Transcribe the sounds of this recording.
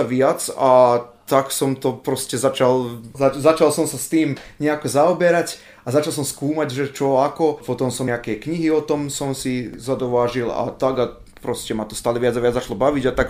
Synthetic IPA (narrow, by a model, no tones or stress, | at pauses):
ʋɪat͡sat̪aksɔmt̪ɔpɾɔscɛzat͡ʃalazat͡ʃalsɔmsast̪iːmɲɛakɔzaɔbɛɾac | azat͡ʃalˠs̬ɔmskuːmaɟʒɛt͡ʃɔakɔpɔt̪ɔmsɔmɛakɛkɲiɦiɔt̪ɔmsɔmsizad̪ɔʋaːʒila̰t̪aɡa | pɾɔscɛmat̪ɔ̥st̪aːlɛʋɪad͡zaʋɪad͡zzat͡ʃalɔbaʋiɟat̪ak